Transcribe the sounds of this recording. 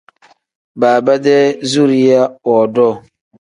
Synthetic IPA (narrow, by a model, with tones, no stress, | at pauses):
baː˨ba˦dɛ˦zu˦ɾi˦ja˦ɔ˨dɔ˦˨